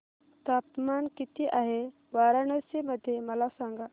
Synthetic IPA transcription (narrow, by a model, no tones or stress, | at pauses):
t̪ap̚t̪əmankit̪iʔaɦe | ʋaɾaɳəseməd̪ʱːjeməlasãŋɡa